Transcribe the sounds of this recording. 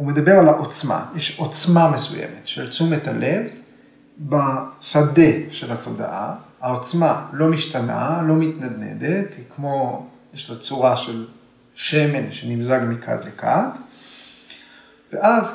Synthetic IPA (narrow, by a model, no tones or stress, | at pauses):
ume̞d̪abe̞ʁalaʔot͡sma̰jeʃo̞t͡smamesujḛmet̪ʃelt͡sumetalev | basade̞ʃe̞lat̪o̞d̪a̰ʔa̰hao̞t͡smalo̞miʃtana̰lo̞mit̪nad̪ne̞̰d̪et̪hikmo̞jeʃlat͡suʁaʃel | ʃeme̞nʃenimzaɡmikʰa̰tlekʰa̰t | veʔaz